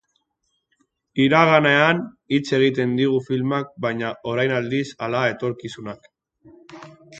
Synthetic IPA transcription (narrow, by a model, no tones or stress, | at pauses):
iɾaɣane̞an | it͡se̞ɣ̞it̪e̞nd̪iɣ̞ufilmak̚bajɲaʔo̞ɾajnald̪isalae̞t̪o̞ɾkisunak